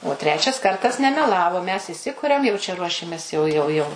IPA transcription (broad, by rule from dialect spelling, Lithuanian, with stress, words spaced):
oː ˈtʲrʲæːt͡ʃʲɛs ˈkɐrtɐs nʲɛmʲɛˈlˠɑːʋoː mʲɛs iːˈsʲɪkʊrʲɛm jɛʊ t͡ʃʲɛ ˈruɔʃʲɛmʲɛs jɛʊ jɛʊ ˈjɛʊ